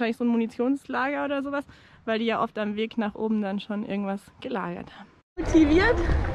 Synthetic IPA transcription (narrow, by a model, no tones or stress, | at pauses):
ʃaɪnlɪçz̥oːnmonit͡sjoːnslaːɡɐʔoːdɐzoːvas | vaɪldiːjaːʔɔftamveːknaːχʔo̰ːbm̩danʃoːnʔɪ̰ɐɡŋ̩tv̥asɡ̥əla̰ːɡɐ̰thaːbm̩ | otʰiviːɐt